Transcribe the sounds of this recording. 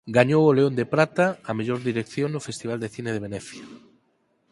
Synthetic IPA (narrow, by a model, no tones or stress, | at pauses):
ɡaɲowoleond̪epɾat̪aːmeʎoɾðiɾekθjoŋnʊfest̪iβ̞ald̪eθineð̞eβ̞enɛθja